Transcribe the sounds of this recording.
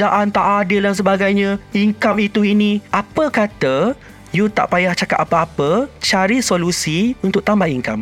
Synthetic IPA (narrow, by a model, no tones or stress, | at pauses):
d͡ʒaʔant̪aʔadildans̬əbaɡajɲãiŋkamit̪uinĩʔapəkat̪ə | jut̪a̰ʔpajaht͡ʃakat̪apəapət͡ʃaɾisolusiunt̪ʊk̚t̪ambahiŋkam